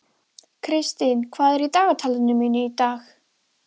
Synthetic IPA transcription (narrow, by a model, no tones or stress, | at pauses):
kʰrɪstɨnkʰwajɾidaɔtʰalˠənəminidax